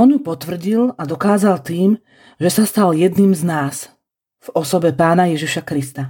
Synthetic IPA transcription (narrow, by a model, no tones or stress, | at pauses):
ɔnjupɔt̪ʋr̩ɟilad̪ɔkaːzalt̪iːm | ʒɛsast̪aljɛd̪niːmznaːs | v̥ɔsɔbɛpaːnajɛʒiʃakɾist̪a